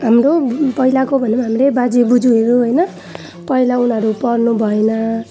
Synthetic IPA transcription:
ɦamɾopʌilakobʱʌnemaɦamɾebad͡zibud͡zuɦeɾuɦʌjnʌ | pʌilaunɦʌɾupʌrnubʱʌenʌ

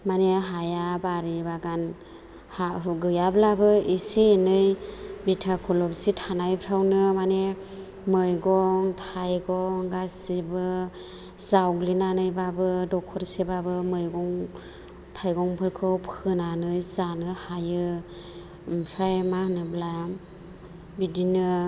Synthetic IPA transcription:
maneɦajabaɾibaɡan | haɡɯjablabɯisienɯjbitʰakʰɔlɔpsitʰanajpʰɾawnɯmane | mɯjɡɔŋtʰajɡɔŋɡasibɯ | z̥awɡlinanɯjbabɯdɔkʰɔɾsebabɯmɯjɡɔŋ | tʰajɡɔŋpʰɯɾkʰɯwpʰɯnanɯjzanɯhajɯ | mpʰɾajmahnɯbla | bidinɯ

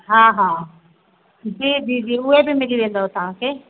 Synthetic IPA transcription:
ɦãːɦãː | d͡ʒiːd͡ʒiːd͡ʒiːʊebʱiːmɪɾideːld̪aoːt̪ãːkeː

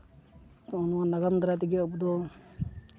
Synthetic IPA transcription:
ɔnwanaɡamd̪ɾat̪̬iɡɛɔpd̪ɔ

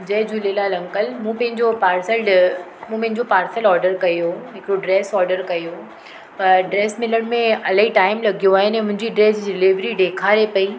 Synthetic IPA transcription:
d͡ʑɐːd͡ʑuleːlalɐ̃ŋkəlmũːpɐ̃ɦɪ̃ɲd͡ʑopaːɾsəlɖ | mũːpɐ̃ɦɪ̃ɲd͡ʑopaːɾsəlɔːɾɖəɾkɐjɦoɦɪkɾoɖɾɛːsɔːɾɖəɾkɐjo | pɐɾɖɾeːsmɪləɽ̃mẽɐlaɦiʈaːɪmlɐɡʱijoaːɦɪnɛ̃ːmʊ̃ɦɪ̃ɲd͡ʑiɖɾeːsɖɪliʋɾiɖeːkʰaɾepɐi

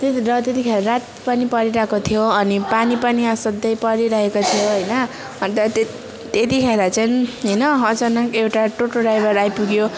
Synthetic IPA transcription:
t̪erʌt̪et̪ikʰeɾaɾat̪̚pʌnipʌɾiɾaɦkot̪ʰijoʌnipanipʌniʌsʌd̪ːʌjpʌɾiɾʌɦekot̪ʰijoɦʌjnʌ | t̪ʌt̪e | t̪et̪ikʰeɾat͡sʌnɦʌjnʌɦʌd͡zʌnakewʈaʈoʈoɖajbʌɾajpuɡjo

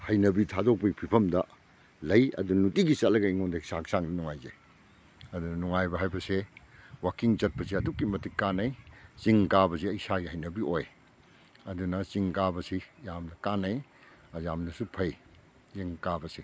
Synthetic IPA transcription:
hɐjnɐbitʰazok̚pɐɡipʰipʰɐmdɐ | lɐjɐ̰dunutiɡisɐtlɐɡɐiŋondɐisaksaŋdɐnuŋajze | ɐdunɐnuŋajbɐɦajbɐsewakiŋt͡ʃɐt̚pɐsiɐdukːimɐtikːanɐjt͡ʃiŋkabɐsiɐjsaɡihɐjnɐbioj | ɐdunɐt͡ʃiŋkabɐsijamnɐkanɐj | ɐzamnɐsupʰɐj | zeŋkabɐsi

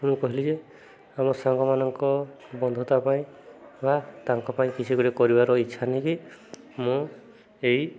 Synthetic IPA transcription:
mũkɔɦilid͡ʒe | amɔsaŋɡɔmanɔŋkɔ | bɔnd̪ʱɔt̪apaĩbat̪aŋkɔpaĩkisʰiɡɔɾekɔɾibaɾɔitːʃʰaniki | mũ | ej

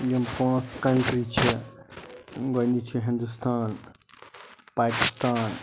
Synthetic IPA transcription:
jɐmkãːnskɐɳʈɾiːt͡ʃʰi | ɡonit͡ʃʰiɦɪ̃nd̪ust̪ʰaːn | paːkist̪aːn

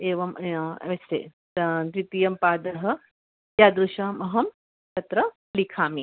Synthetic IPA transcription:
eːʋɐm̰ʋɐsḛː | d̪ɾit̪ijɐmpaːd̪ɐɦɐ̆ | jaːd̪ɾuʃaːmɐɦɐm | tɐt̪ɾɐ | likʰaːmi

